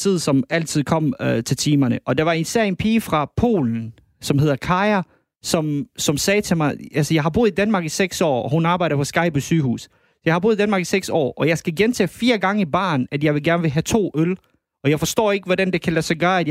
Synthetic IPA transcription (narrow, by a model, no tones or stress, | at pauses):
t͡sʰið̞̰ˠsɒ̽mæl̰t͡sʰið̞̰ˠkʰɒ̽m̰t͡sʰe̝lt͡sʰiːmɐnəʔɒ̽d̥ɑ̈ʋɑ̈e̝nseɐ̰enpʰiːfʁɑ̈pʰo̝̰ːln̩ | sɒ̽mhe̝ðˠɐkʰɑ̈ɪɐ | sɒ̽msɒ̽msɛːt͡sʰe̝mɑ̈ɪælsəjɑ̈ɪɦɑb̥ṵːð̩ˠid̥ænmɑ̈ːɡ̥iseɡ̥sɒ̰ːɒhunɑ̈ːb̥ɑ̈ɪɾ̥ɐpʰɒ̽sɡ̥ɑ̈ɪ̰b̥ɒsyːhṵːs | jɑɪhɑbṵːðˠid̥ænmɑ̈ɡ̥iseɡ̥sɒ̰ːʔɒ̽jɑ̈ɪsɡ̥æɡ̥ent͡sʰɛ̰ːfiːɐɡ̥ɑ̈ŋəib̥ɑ̰̈ːnæd̥jɑ̈ɪʋeɡæɐnʋe̝ɦæt͡sʰo̝̰ːøl | ɒ̽jɑ̈ɪfɒ̽sd̥ɔ̰ːe̝ɡ̥əʋɒdænd̥e̝kʰælæsɒɡ̥ɶːɐæd